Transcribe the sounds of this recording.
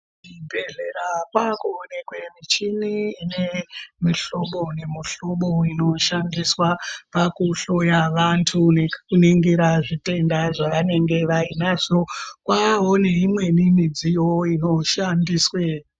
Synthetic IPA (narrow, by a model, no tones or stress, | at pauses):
ibʱe̞ɮeɾakwakuone̞kwe̞mit͡ʃiniinemiɬoɓo̞ne̞miɬo̞ɓo̞ino̞ʃandiswapakuɬo̞jaʋantʰune̞kuniŋɡiɾaʐite̞ndaʐaʋane̞ŋɡe̞ʋainaʐo̞kwaɦoneimwe̞nimid͡zijoino̞ʃandiswe